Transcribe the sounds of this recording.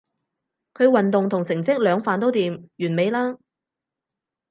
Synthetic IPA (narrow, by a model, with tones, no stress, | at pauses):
kʰɵ˨˧ɥwɐ˨nt̪ʊ˨ŋt̪ʰʊ˨˩ŋsɪ˨˩ŋt͡sɪ˥k̚lœː˨˧ŋfaː˨nt̪o˥wt̪iː˨mjyː˨˩nme˨˧jlaː˥